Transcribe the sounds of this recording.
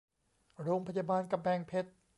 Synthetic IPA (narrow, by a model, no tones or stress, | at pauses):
roːŋpʰajaɓɑːnkampʰɛːŋpʰet̪̚